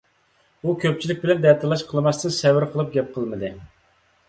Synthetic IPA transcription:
ukʲʰøp̚t͡ʃʰilɪk̚ʲbɪlɛnd̪ɛɾt̪ʰɨlˠɑʃqʰəlˠmɑst̪ɨnsɛwɪɾqʰəlˠɨp̚ɡʲɛp̚qʰəlˠməd̪ɨ

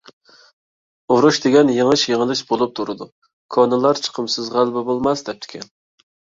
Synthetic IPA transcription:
oɾuʃd̪ɪɡʲɛnjeŋɨʃjeŋəlˠɪʃbolˠup̚t̪ʰuɾɨd̪u | kʰɑnɨlˠɑɾt͡ʃʰə̥qʰəmsɨzʁælbɪbolˠmɑsd̪ɛp̚t̪ʰɪ̥kʲʰɛn

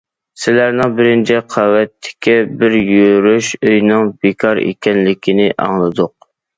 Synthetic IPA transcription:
sɪlæɾnɪŋbɪɾɪnt͡ʃʰɪqʰɑwɛt̪ʰːɪ̥kʲʰɛbɪɾjøɾyʃøjnɨŋbekʰɑɾḛkʲɛnlɪkʲʰinɪʔɑ̰ŋlˠɨd̪ʊq̚

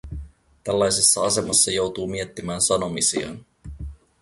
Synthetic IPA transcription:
t̪ælːɑjsesːɑɑse̞mɑsːɑjo̞wt̪uːmie̞t̪ːimæːnsɑno̞misḭɑ̰n

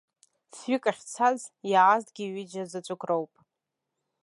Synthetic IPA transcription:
sɥikʼaχʲt͡sʰazjaaztʼɡʲiɥɪd͡ʒad͡zat͡ʃʷʼʊkʷʰʼrowpʼ

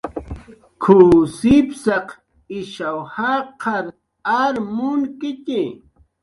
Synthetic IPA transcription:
kʰuːsɪpsɑq | ɪʃawhaqʰɑɾ | aɾmʊnkɪt̪ɪ

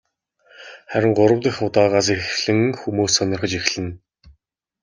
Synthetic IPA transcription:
χæɾʲɪ̆ŋɢʊɾə̆wt̪ə̆xʊt̪aːʁaːs̬exɮɘ̆ŋxumuːsːɔnʲɞ̆rχə̆t͡ɕixɮɘ̆n

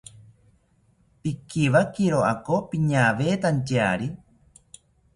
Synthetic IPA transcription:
pikiʋakiɾoʔakopiɲaʋeːt̪ant͡ʃea̰ɾi

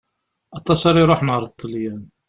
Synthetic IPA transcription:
ɑt̪ˤɑsɑɾiɾˤoħnəʁɾˤt̪ˤːəljæn

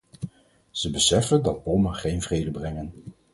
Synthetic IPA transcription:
z̥əbəsɛfəndɑt̚bɔməχejnvrejdəbrɛŋən

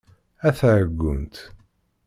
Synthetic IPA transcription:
æθʕəɡːʊnt̪

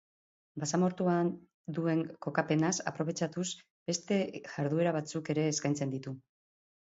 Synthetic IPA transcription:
basamo̞ɾt̪uan | d̪ue̞ŋko̞kape̞nasa̰pɾo̞β̞e̞t͡ʃat̪us | be̞st̪e̞ʝaɾðue̞ɾaβat͡suke̞ɾe̞ːskajnt͡se̞nd̪it̪u

